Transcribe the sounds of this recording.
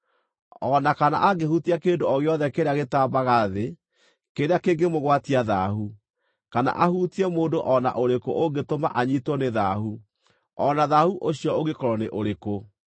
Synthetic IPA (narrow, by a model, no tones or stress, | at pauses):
ɔnakana̰ʔaɡehutiakeːndoɔɣeɔðɛkeɾeaɣetaːbaɣaðe | keɾeakeːɡemoɣwatiaðaːɦu | kana̰ʔahuːtiɛmoːndoʔɔna̰ʔoɾekoʔoɡetoma̰ʔaɲitwɔneðaɦu | ɔnaðahuʔoɕiɔoɣekɔɾɔneʔoɾeko